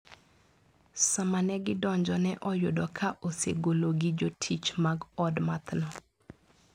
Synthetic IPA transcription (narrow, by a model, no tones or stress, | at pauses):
samanɛɡɪdɔɲd͡ʒɔnɛʔɔjʊdɔkʰaʔoseɡoloɡɪd͡ʒotʰit͡ʃmaɡɔdmat̪nɔ